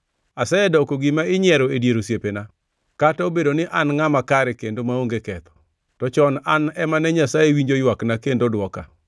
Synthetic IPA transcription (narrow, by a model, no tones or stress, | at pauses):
asajɛdɔkoɡimaɪɲɪɛɾoedjeɾosjepena | katɔobedonɪʔanŋamakaɾɛkendomaoŋɡekɛt̪ɔ̥ | tɔt͡ʃɔnanɛmanɛɲasaewiɲd͡ʒojwaknakendodwɔka̰